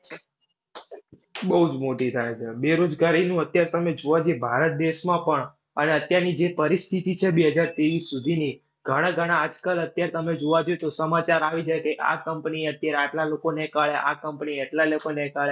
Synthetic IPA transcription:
bəɦud͡ʒmoʈit̪ʰajt͡ʃʰebeɾod͡ʒɡaɾinũət̪jaɾet̪əmed͡ʒoʋad͡ʒebʱaɾət̪̚d̪eʃmãpəɳ | əneət̪jaɾnid͡ʒepəɾist̪ʰit̪it͡ʃʰebeɦəd͡ʒaɾt̪eʋisːud̪ʱini | ɡʱəɽ̃aɡʱəɽ̃aːd͡ʒkələt̪jaɾet̪əmed͡ʒoʋad͡ʒoet̪osəmat͡ʃaɾaʋid͡ʒajkeʔa̰kəmpniət̪jaɾeaʈlalokonekaɭeʔa̰kəmpniaʈlalokonekaɭe

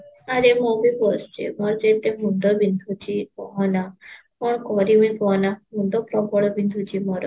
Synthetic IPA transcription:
aɾemɔbibɔst͡ʃḛmɔɾd͡ʒet̪eɦund̪ɔbind̪ʱut͡ʃikɔɦɔna | kɔɽ̃ɔkɔɾiʋ̃ĩkɔnaɦund̪ɔpɾɔbɔɭɔbind̪ʱut͡ʃimɔɾɔ

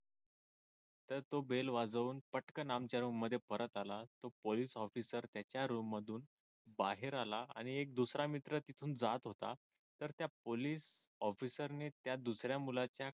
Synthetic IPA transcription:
t̪əɾt̪obelʋad͡zuːnpəʈkənamt͡ɕaɾumːəd̪ʱːjepəɾət̪alat̪opoliːsɔfisəɾt̪jat͡ɕjaɾumːəd̪ʱuːn | baɦeɾalaa̰ɽ̃iek̚d̪usɾamit̪ɾət̪it̪ʰuːnd͡zat̪ɦot̪a̰ | t̪əɾt̪japoliːs | ɔfisəɾnet̪jad̪usɾjamulat͡ɕja

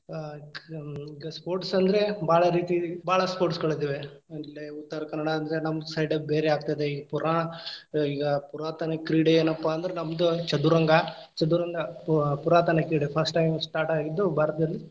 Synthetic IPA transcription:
iːɡɐspoːɾʈsɐnd̪ɐɾe̞baːɭɐɾiːt̪ibaːɭɐspoːʈskɐɭt̪iʋeɐlːeut̪ːɐɾɐkɐnɐɽaːnd̪ɐɾenɐmɐd̪usɐjɖɐbbeːɾeaːɡ̚t̪ɐjd̪eiːɡɐpuɾaːɳɐiːɡɐpuɾaːt̪ɐnɐkɾiɽeeːnɐpːaːnd̪ɐɾenɐmɐd̪ut͡ʃɐd̪uɾɐŋɡɐ | t͡ʃɐd̪uɾɐŋɡɐpuɾaːt̪ɐnɐkɾiːɖepʰɐɾsʈʈːɐjmsʈaːɾʈaːɡid̪ːubʱaːɾɐt̪ɐd̪ɐlːi

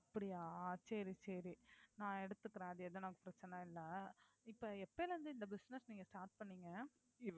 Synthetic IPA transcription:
ɐpːɐɽɪjaːsɐɾisɐɾinãːɛɽɯt̪ːɯkːɪɾaːðɯɛðɐnakːɐpɪɾɐt͡ʃːɐnɐɪlːɐ | ɪpːɐɛpːɐlʋɐnd̪ɯɪnd̪ɐbɪsnɛsniːŋɡɐsʈaːɾʈ̚pɐɳːiːŋɡɐ | ɪ

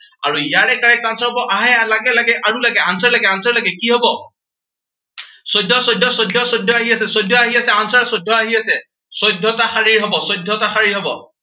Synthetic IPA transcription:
aɹuijaɹɛkaɹɛkansɔɦɔbɔʔaɦɛalaɡɛlaɡɛʔaɹulaɡɛansɔɹlaɡɛansɔɹlaɡɛkiɦɔbɔ | sɔjdʱːɔsɔjdʱːɔsɔjdʱːɔsɔjdʱːɔaɦiasɛsɔjdʱɔaɦiasɛansɔɹsɔdʱɔaɦiasɛ | sɔjdʱɔtaxaɹiɹɦɔbɔsɔjdʱːɔtaxaɹiɹɦɔbɔ

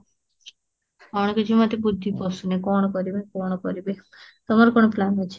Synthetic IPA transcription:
ɔɽ̃ɔked͡ʒumat̪ebud̪ʱːipɔsunekɔɽ̃ɔkɔɾibekɔɽ̃ɔkɔɾibe | t̪ɔmaɾukɔɽ̃ɔplanet͡ʃʰi̥

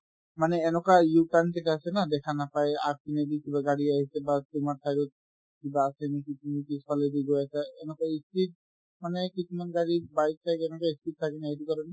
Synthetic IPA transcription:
manɛːnɔkajukankɛkaasɛnad̪ɛkʰanapajɛa̰kinedikibaɡaɹiaɦisɛbat̪umaɹt̪ʰajɾɔt̚ | kibaːsɛnikisʰumikialediɡojasaɛnɔkaistit̚ | manɛkisumanɡaɹibaj̚t̪ʰakɛnɔkaiskit̚t̪ʰakɛnaejtukɔɹani

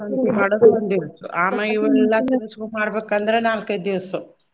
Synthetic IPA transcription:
ɐnt̪umaːɽoːd̪ɐnd̪iɾut̪ːṵʔaːmɐiʋɐɛlːat̪inɐskumaːɽɐbeːkɐnd̪ɐɾenaːlked̪iʋɐsu

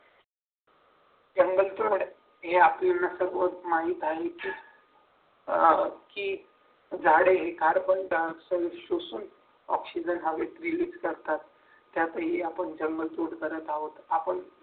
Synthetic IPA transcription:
d͡ʑəŋɡəlt̪oɽ | ɦeaplanːasəɾʋot̪maɦiːt̪aɦekiː | kiː | d͡zaɽeɦekaɾpəɳʈasəʋɕosuːn | ɔ̰ksid͡ʑənɦaʋeʈɾiliːd͡zkəɾt̪at̪ː | jat̪əɦiapəɳd͡ʑəŋɡəlt̪oɽɡəɾət̪aɦot̪apəɳ

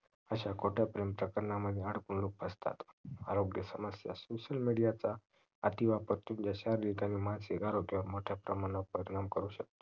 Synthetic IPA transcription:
əɕakʰoʈʰjapɾempɾəkəɾəɳaməd̪ʱjeaɽ̤puɳluk̚bʱəst̪a̰t̪a̰ɾoɡjəsəməsja̰soɕəlmiɽijat͡saː | t̪iʋapəɾt̪uːnd͡ʑjaɕaɾliɡamiːmasikaɾoɡjəʋəɾmoʈʰjapɾəmanəpəɾiɽ̃amkəɾuːɕək̚t̪o̥

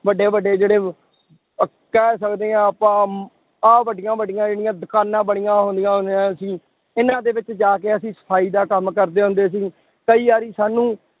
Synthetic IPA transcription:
ʋəɖeːʋəɖeːd͡ʒeːɽeː | kɛːsəkd̪eːãːəpãː | aːʋəɖɪjãːbəɖɪjãːd͡ʒeːɽɪjãːd̪ʊkaːnãːbəɽ̃ɪjãːɦʊ̃nd̪ijãːɦʊnd̪jãːsĩː | ɪnãːd̪eːʋɪt͡ʃd͡ʒaːkeːəsĩːsə̥pʰaːiːd̪aːkəmkəɾd̪eːɦʊ̃nd̪eːs̬iː | kəiːaːɾiːsaːnũː

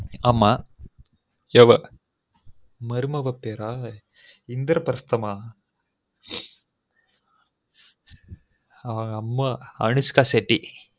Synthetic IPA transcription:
ɐmːa | eʋɐ | mɐɾɯmɐʋɐpeːɾaː | ind̪ɾɐpɾɐst̪ɐmaː | ɐɐŋɡɐmːaɐ̰ɳuskaːseʈːi

